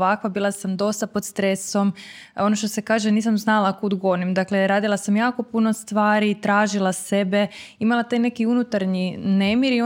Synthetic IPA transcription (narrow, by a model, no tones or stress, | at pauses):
ʋakʋabiːlˠasamd̪o̞st̪apo̞d̪st̪ɾe̞so̞m | o̞noʃt̪o̞se̞kaːʒeniːsamznalakud̪ɡo̞nimd̪akle̞ɾaːd̪ilˠasamjaːko̞puno̞st̪ʋaːɾit̪ɾaːʒilˠase̞be̞imalˠat̪aːjne̞kiunut̪aɾɲine̞miɾio